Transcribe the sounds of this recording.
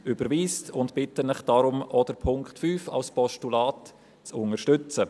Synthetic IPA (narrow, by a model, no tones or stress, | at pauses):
ʔybəɾviːstʊntpɪtənɪχd̥aɾʊmɔdəɾpʰʊŋkχtfyːfa̰lspʰɔʃtulaːt | t͡sʊnəɾʃtʏt͡sə